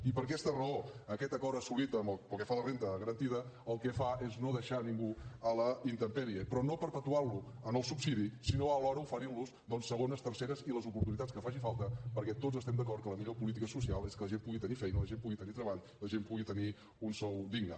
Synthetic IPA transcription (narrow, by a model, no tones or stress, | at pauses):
ipəɾkɛst̪ərəoəkɛt̪əkɔɾəsulit̪əməlˠpəlˠkɛfalərent̪əɣəɾənt̪iðəəlˠkɛfaeznoðəʃaniŋɡuələint̪əmpɛɾiəpɾɔnopəɾpət̪uaɾlu | ənəlˠsupsiðisinoəlɔɾəufəɾiluzd̪ɔnsːəɣ̞onəst̪əɾseɾəziləzupuɾt̪unit̪att͡sskəfaʒifalˠt̪əpəɾkɛt̪ozəst̪ɛmd̪əkɔrt̪kələmiʎopulit̪̬ikəsusialˠeskələʒempuɣit̪ənifɛjnələʒempuɣit̪ənit̪ɾəβaʎ | ləʒempuɣit̪əni | unsɔwd̪iɡnə̰